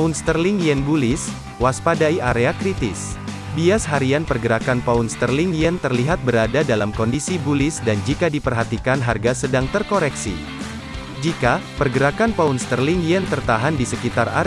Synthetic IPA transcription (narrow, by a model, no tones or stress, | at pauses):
aʊnst̪ərlɪŋjɛnbulɪs | waspadaiaɾeakɾit̪ɪs | biasɦaɾianpərɡəɾakanpaʊnst̪ərlɪŋjɛnt̪ərliɦat̪̚bəɾadadalamkɔndisibulɪsdand͡ʒikadipərɦat̪ikanɦarɡasədaŋt̪ərkoɾɛksḭ | d͡ʒikapərɡəɾakanpaunst̪ərlɪŋjɛnt̪ərt̪aɦandisəkit̪ara